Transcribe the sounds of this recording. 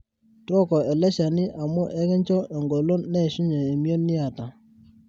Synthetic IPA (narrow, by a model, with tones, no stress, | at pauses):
twɔ˦kɔ˨ɛ˨lɛ˦ʃa˨ni˦ʔa˨mu˦ʔɛ˦kɛ˦ɲt͡ʃɔ˦ʔɛ˨ŋɡo˨lo˦nɛ˦˨ʃu˦ɲɛ˨e˨mjo˦ni˦a˨ta˨